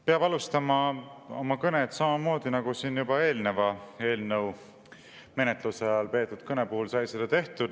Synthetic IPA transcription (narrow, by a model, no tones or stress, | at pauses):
peɑb̥ɑlust̪ɑmɑo̰mɑkɤnet̪sɑmɑmo̞ːd̪inɑɡ̥usiːnjub̥ɑe̞ːlne̞vɑe̞ːlnɤw | me̞net̪ˑlusɑjɑlpe̞ːt̪ːˑud̪̥kɤne̞puhulsɑjselːet̪e̞ht̪ud̪